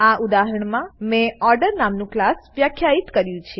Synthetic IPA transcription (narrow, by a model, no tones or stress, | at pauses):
aʔud̪aɦəɾəɳmãmẽɔɾɖəɾnamnũklasʋjakʰːjait̪kəɾjũt͡ʃʰe